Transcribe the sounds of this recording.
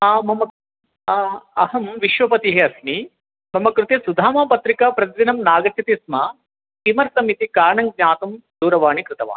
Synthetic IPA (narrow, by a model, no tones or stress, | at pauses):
aːmɐmɐ | ɐhɐmʋiʃʋɐpɐt̪iɦeɐsni | bɐmɐkɾut̪esud̪ʱaːmaːpɐt̪ɾikapɾɐt̪dinɐmnaːɡɐt͡ʃʰit̪isma | kimɐɾsɐmit̪ikaːɾɐɳɐŋɡ̚ɲaːt̪umd̪uːɾɐʋaːɳikɾɪt̪ɐʋa̰ːn